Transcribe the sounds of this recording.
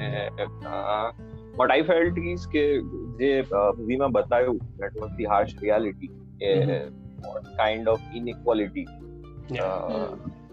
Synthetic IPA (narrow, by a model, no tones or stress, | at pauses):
ɛ̃ | bɐʈaɪfelʈiːzked͡ʒeʋimãbət̪ajod̪æʈʋɔzd̪iɦaːɾʃɾiælɪʈi | e | ɔ̰nkãɪ̃ɳɖɔfɪnɪkwɔlɪʈi